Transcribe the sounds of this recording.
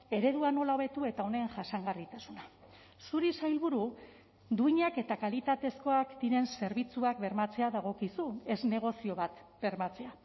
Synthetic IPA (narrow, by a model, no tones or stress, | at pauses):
e̞ɾe̞ðuano̞lao̞βe̞t̪ue̞t̪ao̞ne̞ŋʝasaŋɡarit̪asuna | suɾisajlβuɾu | d̪uiɲake̞t̪akalit̪at̪e̞sko̞akd̪iɾe̞nse̞ɾβit͡suakbe̞ɾmat͡se̞aðaɣ̞o̞kisue̞zne̞ɣ̞o̞sio̞βat̪ | b̥e̞ɾmat͡se̞a